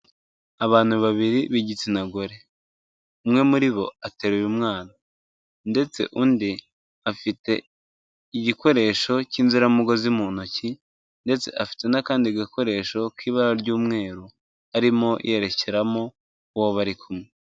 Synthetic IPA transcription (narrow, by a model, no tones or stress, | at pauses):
aβaːn̥huβaβiɾiβiɟit͡sinaɡo̞ɾe̞ | umŋe̞muɾiβo̞ate̞ːɾujumŋaːna | nde̞t͡se̞̰ʔuːndi | afite̞ | iɟiko̞ɾe̞ːʃo̞ciːnziɾamuɡo̞zimuːn̥uci | nde̞t͡se̞̰ʔafi̥te̞nakaːndiɡiko̞ɾe̞ːʃo̞kiːβaɾaɾɟuːmŋe̞ːɾu | aɾimo̞̰jʔe̞ɾe̞ce̞ɾamo̞ | uwoβaɾikʰumŋe